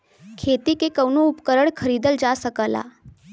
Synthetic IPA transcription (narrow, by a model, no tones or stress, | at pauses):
kʰet̪ikekəwnuupkəɾəɳkʰəɾiːd̪əld͡zasəkəla̰